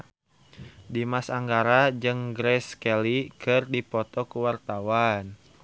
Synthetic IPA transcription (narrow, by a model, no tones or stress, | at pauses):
dimasaŋɡaɾad͡ʒɨŋɡɾɛskɛlikʰɨrdipɔt̪ɔkuwart̪awan